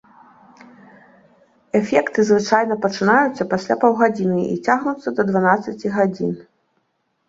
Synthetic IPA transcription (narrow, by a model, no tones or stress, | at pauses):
ɛfʲɛkt̪ɨzvɨt͡ʂajn̪ɐpɐt͡ʂɨnajut̪sːɐpasʲlʲapɔwɣad͡zʲinɨḭt͡sʲaɣnut̪sːɐd̪ɐd̪vanat̪sɐt͡sʲiɣad͡zʲḭn